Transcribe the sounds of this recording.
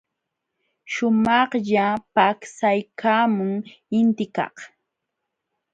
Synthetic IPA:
ʃʊmɑχʎapaksajkʰaːmʊŋ | ɪnt̪ɪkɑ̰χ

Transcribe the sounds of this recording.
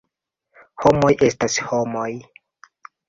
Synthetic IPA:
ho̞mo̞jʔe̞stasho̞moj

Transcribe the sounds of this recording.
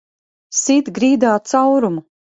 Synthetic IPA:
sit̪ɡɾiːd̪aːt̪sawɾumu

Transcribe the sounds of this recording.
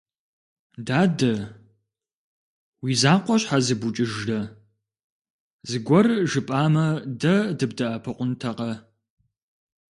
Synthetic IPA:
daːdɐ | wiːzaːqʷɔɕħazɨbʊt͡ʃʼɪʒrɐ | zɨɡʷɔrʒɨpʼaːmɐdɐdɨb̚dɐʔɐpʰɨqʷʊntʰɐqɐ

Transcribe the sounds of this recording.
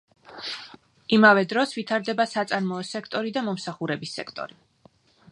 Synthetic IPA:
imavɛd̪ɾɔsvit̪ʰaɾd̪ɛbasat̪sʼaɾmɔːsɛkʰt̪ʼɔɾid̪amɔmsaχuɾɛbisːɛ̰kʰt̪ʼɔ̰ɾi

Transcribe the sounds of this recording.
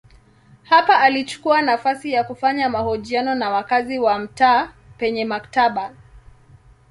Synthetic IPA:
hapaʔːlit͡ʃu̥kuanafasijakufaɲamahɔʄianɔnawakaziwam̩taː | pɛɲɛmaktaɓa

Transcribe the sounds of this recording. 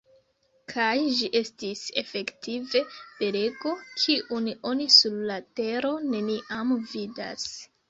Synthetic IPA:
kʰajʒiʔe̞stise̞fe̞ktive̞d̥e̞ɾe̞ɡo̞kʰiʔuniʔo̞nisullate̞ɾo̞ne̞niʔamvida̰s

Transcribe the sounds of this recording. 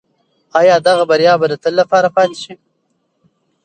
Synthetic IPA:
ɑːjɑːd̪aɣabaɾjɑːbad̪ət̪əlːapɑːɾapɑːt̪iʃi

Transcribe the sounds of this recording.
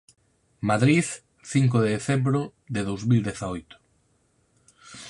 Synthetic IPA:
maðɾiθ | θiŋk̬ʊðeðeθembɾʊðɪðowzmild̪eθaojt̪ʊ̥

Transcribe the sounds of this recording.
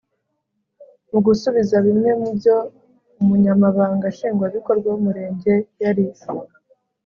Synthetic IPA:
muɡusuβizaβimŋe̞mubjo̞ | umuɲamaβaːŋɡaʃiːŋɡwaβiko̞ɾɡwaumuɾe̞ːɲɟe̞jaɾi

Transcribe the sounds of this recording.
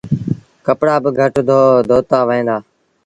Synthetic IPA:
kəpɽaːbəɡʱəʈd̪ʱoːd̪ʱoːt̪aːʋẽːnd̪aː

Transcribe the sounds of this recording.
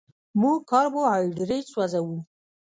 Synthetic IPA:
mukɑɾbohɑjɖɾet͡swazawu

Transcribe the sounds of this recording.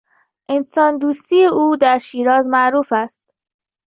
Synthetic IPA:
ʔensɒːnd̪uːst̪iːeʔuːd̪æɾʃiːɾɒːzmæʔɾuːfæst̪̚

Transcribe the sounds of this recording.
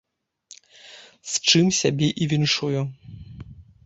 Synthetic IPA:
st͡ʂɨmsʲabʲɛʔivʲinʂuju

